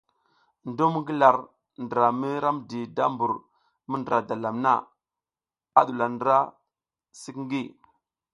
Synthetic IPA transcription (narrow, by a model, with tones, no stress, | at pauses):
ndo˦m˦ŋɡi˦la˨ɾ | ndə˨ɾa˨mi˦ɾa˦mdi˨da˦mbu˨ɾ | mə˦ndə˨ɾa˨da˨la˨mna̰˦˨ | a˦ɗu˨la˨ndə˨ɾa˦ | si˦kŋ˦ɡi˦